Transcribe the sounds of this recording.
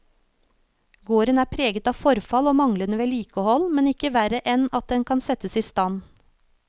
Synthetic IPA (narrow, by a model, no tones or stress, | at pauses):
ɡoːɾənæːpʰɾeːɡət̪ɑːfɔɾfɑloːmɑŋlənəʋeːliːkəhɔlmɛnɪkəʋæɾəʔɛnɑt̪̚d̪ɛnkʰɑnsɛt̪əsiːst̪ɑn